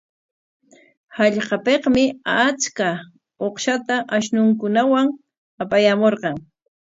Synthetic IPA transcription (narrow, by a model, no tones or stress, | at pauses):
hɑʎqɑpeqmɪat͡ʃka | oχʃat̪aʔaʃnʊŋkʊnawaŋ | apajamoɾqɑŋ